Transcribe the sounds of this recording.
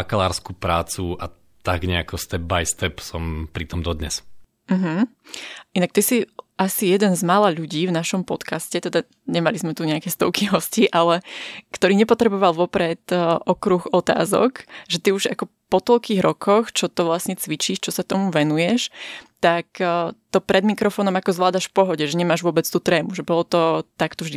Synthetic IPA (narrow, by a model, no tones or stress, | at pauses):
akalaːɾskupɾaːt͡sua | t̪aɡɲɛakɔst̪ɛb̚bajst̪ɛpsɔmpɾit̪ɔmd̪ɔd̪ɲɛ̰s | m̩ɦm̩ | ʔinak̚t̪isiʔasijɛd̪ɛnzmalaːʎuɟiːvnaʃɔmpɔt̪kascɛt̪ɛd̪a | ɲɛmalizmɛt̪uɲɛakɛst̪ɔʊkiɦɔsciʔalɛkt̪ɔɾiːɲɛpɔt̪ɾɛbɔʋalˠʋɔpɾɛt̪ʔɔkɾuxɔt̪a̰ːzɔ̰kʒɛt̪iuʒa̰kɔ | pɔt̪ɔlkiːɣɾɔkʰɔxt͡ʃɔt̪ɔʋlasɲɛt͡sʋit͡ʃiːʃt͡ʃɔsat̪ɔmuʋɛnujɛʃt̪akt̪ɔpɾʔɛd̪mikɾɔfɔːnɔmakɔzlaːd̪aʃfpɔɦɔɟɛʒɛɲɛmaːʒʋʊɔbɛt͡st̪uːt̪ɾɛːmuʒɛbɔlɔt̪ɔt̪akt̪ɔvʒd̪i